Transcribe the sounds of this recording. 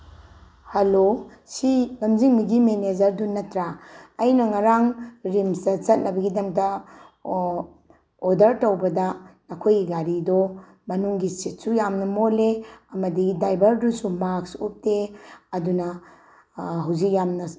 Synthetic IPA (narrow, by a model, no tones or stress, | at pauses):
hɐlosilɐmziŋmiɡimened͡ʒɐɾdunɐtɾaɐjnɐŋɐɾaŋɾimsɐt͡ʃɐt̚nɐbɐɡidɐmdɐ | dɐɾtɐwbɐdɐnɐkʰojɡiɡaɾidɔ | mɐnuŋɡisit̚sujamnɐmoleɐmɐdidajbɐɾdusumaksṵp̚teɐdunɐ | ɦɐwzik̚jamnɐ